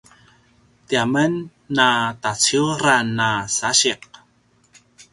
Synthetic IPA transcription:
t̪iamənː | at̪at͡siuɾanasaɕiq̚

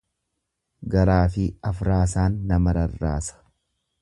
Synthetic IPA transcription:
ɡɐɾaːfɪɐfɾaːsaːnːɐmɐɾɐrːa̰ːsɐ̥

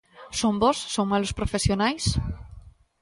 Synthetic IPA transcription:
sombɔsːoŋmalospɾofesjonajs

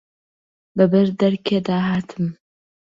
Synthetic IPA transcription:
bɐbɐrdɐrkʲʰɐdaːɦaːtʰɨm

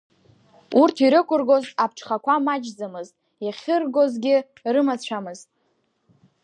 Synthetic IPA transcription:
urtʰiɾɨkʷʼʊrɡo̞zap̚ʰʈ͡ʂʰχakʷʰamad͡ʒd͡zamɨztʼ | jaχʲɪrɡo̞zɡʲɪ | rɨmat͡ɕʷʰamɨztʼ

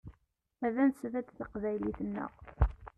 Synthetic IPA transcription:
æðænsvæd̪θəqvæjliθənːə̰ʁ

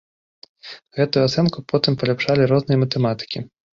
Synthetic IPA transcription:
ɣɛt̪ujuat̪sɛnkupʰɔt̪ɨmpɐlʲapʂalʲiɾɔznɨjɐmɐt̪ɛmat̪ɨ̥kʲi

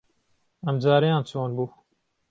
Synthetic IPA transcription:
ɐmd͡ʒaːɾijãːnt͡ʃʰoːnbuː

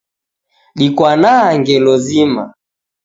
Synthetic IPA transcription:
ɗikwanaːŋɡɛlɔzima̰

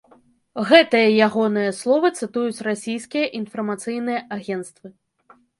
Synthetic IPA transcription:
ɣɛt̪ɨjɐjaɣɔnɨjɐslˠɔvɨt̪sɨt̪ujut͡sʲrasʲijskʲijɐʔinfɐrmat̪sɨjnɨjɐʔaɣʲɛnt̪st̪vɨ

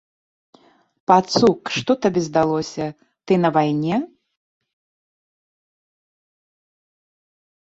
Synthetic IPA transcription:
pat̪sukʂt̪ɔt̪abʲɛzd̪alˠɔsʲɐ | t̪ɨnɐvajnʲɛ

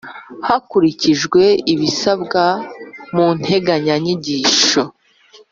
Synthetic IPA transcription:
hakuɾiciʒɡwe̞iβisabɡamun̥he̞ɡaɲaɲiɟiːʃo

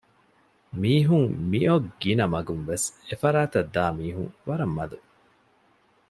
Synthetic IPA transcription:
miːɦuŋmiʔoɡinɐmɐɡunʋesefɐɾaːt̪ɐd̪ːaːmiːɦuŋʋɐɾɐmːɐd̪u

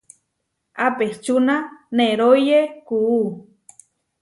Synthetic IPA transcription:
apeht͡ʃunaneɾojekuu

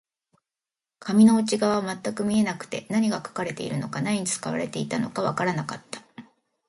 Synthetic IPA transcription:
kʰamʲino̞ɯ̟t͡ɕiɡaβaβmat̪ːakɯ̟mʲie̞nakɯ̟̥t̪e̞naɲ̟iɡakḁkaɾe̞t̪e̞iɾɯ̟no̞kanaɲ̟it͡sɨ̥ka̰β̞a̰ɾe̞t̪e̞it̪ano̞̰kaβakaɾanakat̪ːḁ

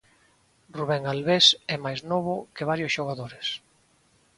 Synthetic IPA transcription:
ruβɛŋalβesɛmajznɔβʊkeβaɾjosʃoɣaðoɾes

